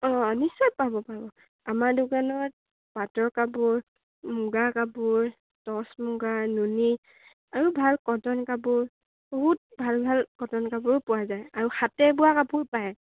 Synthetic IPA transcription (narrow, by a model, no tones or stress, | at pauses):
ɔ̃nisɔj̚pabɔpabɔ | amaɹdʊɡanɔt̚ | patɔɹkabuɹ | muɡakabʊɹ | tɔsmʊɡanuni | aɹubʱalkɔtɔnkabʊɹ | bɔɦut̚bʱalbʱalkɔtɔnkabʊɹpʊwazajaɹuxatɛbʊwakabʊɹpaj